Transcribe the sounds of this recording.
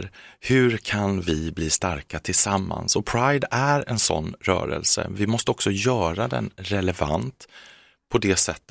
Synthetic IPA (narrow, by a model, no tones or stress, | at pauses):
ɾhɵ̟ɾkʰanvɪbliːst̪aɾkat̪ʰɪlsamːa̰nsɔpʰɾajd̪æɾɛnsɔ̰nːɾœ̰ːɾə̰lsə̰vɪmɔst̪əɔksɔjœːɾad̪ɛ̰nɾɛlɛva̰nt̪ | pʰɔd̪ɛːsɛt̪ː